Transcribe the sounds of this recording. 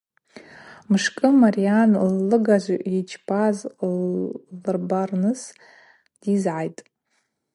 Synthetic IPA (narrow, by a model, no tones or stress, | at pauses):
mɨʂkʼɨmarijanlːɨɡaʒʷʔit͡ʃʰbʰaz | lrbarnɨs | d̥izʕajtʼ